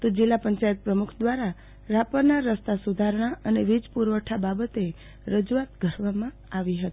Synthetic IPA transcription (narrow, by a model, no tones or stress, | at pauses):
t̪od͡ʒilːapəɲt͡ʃajət̪̚pɾəmukʰd̪ʋaɾa | ɾapəɾnaɾəst̪asud̪ʱaɾɳ̃aʔəneʋid͡ʒpuɾʋəʈʰababət̪e | ɾəd͡ʒuat̪ɡʱəɾʋamã | aʋiɦət̪i̥